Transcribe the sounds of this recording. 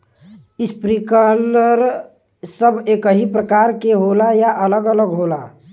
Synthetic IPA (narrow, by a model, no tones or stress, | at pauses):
ɪspɾikələɾ | səbʱeːkəɦipɾəkaːɾkeɦolajaʔələɡələɡɦola